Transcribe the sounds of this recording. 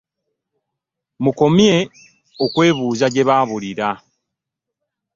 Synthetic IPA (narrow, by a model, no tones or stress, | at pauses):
muko̞mje̞ | okwe̞ːβuːzaɟe̞βaːβuliɾa